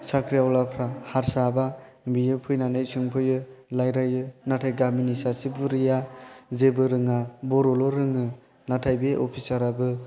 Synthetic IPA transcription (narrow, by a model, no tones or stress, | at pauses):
sakʰɾijawlapʰɾahaɾsaba | bijɯpʰɯjnanɯjsɯŋpʰɯjɯlajɾajɯnatʰajɡaminisasibuɾijazebɯɾɯŋabɔɾɔlɔɾɯŋɯ | natʰajbeʔɔpʰisaɾabɯ